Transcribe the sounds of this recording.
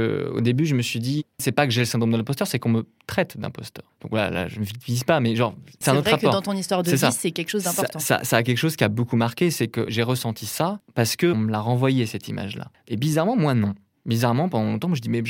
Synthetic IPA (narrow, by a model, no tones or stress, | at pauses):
ə̰o̰d̪ebyʒəməsɥid̪isɛpakəʒɛləsɛ̃d̪ʁomd̪əlɛ̃pɔst̪œʁsɛkɔ̃mət̪χɛt̪d̪ɛ̰̃pɔst̪œːʁd̪̥ɔ̃kvwala̰la̰ʒəməvivizpamɛʒɑ̃ʁsɛt̪ɛ̃notʁɛʁakpɔʁɑ̃t̪ɔ̃nist̪waʁd̪sɛsaːɛkʲɛlkə̥ʃozd̪ɛ̃pɔatt̪ɑ̃sa̰saːk̬ʲɛlkə̥ʃozkʲiabokumaʁkʲesɛkə̰ʒeʁəsɑ̃t̪ʰisapaʁsə̥kə̃məlaʁɑ̃vwajɛsɛt̪ima̰ʒla̰ebizaʁmɑ̃mwanɔ̃ | bizaʁmɑ̃pɑ̃d̪ɑ̃lɔ̃t̪ɑ̃mwaʒəd̪imɛʒ